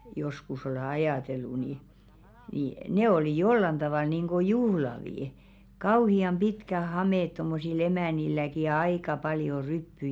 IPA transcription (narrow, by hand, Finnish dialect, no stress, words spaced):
joskus ole ɑjɑˑtelːu ni ni ne oliˑ jolːɑn d̥ɑʋɑˑl niˑŋɡ̊o juhlɑʋiˑ kɑuhiɑm b̥itkæ hɑmeˑt tomːosil emæˑnilːæki jɑ ɑikɑ pɑljo rypːy